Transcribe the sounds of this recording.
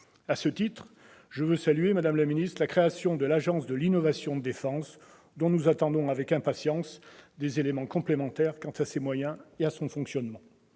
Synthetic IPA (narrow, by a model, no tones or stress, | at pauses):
asət̪it̪χ | ʒ̥əvøsalyemad̪amlaminist̪lakχeasjɔ̃d̪əlaʒɑ̃sd̪əlinɔvasjɔ̃əd̪efɑ̃s | d̪ɔ̃nuzat̪ɑ̃d̪ɔ̃avɛkɛ̃pasjɑ̃sd̪ezelemɑ̃kɔ̃plemɑ̃t̪ɛʁkɑ̃t̪asemwajɛ̃easɔ̃fɔ̃ksjɔnmɑ̃